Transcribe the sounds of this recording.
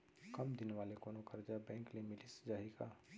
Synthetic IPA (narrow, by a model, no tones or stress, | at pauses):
kɐmd̪ɪnʋaːlekoːnokɐɾd͡ʒabɛ̃ːŋklemɪlisd͡ʒaːɦiɡaː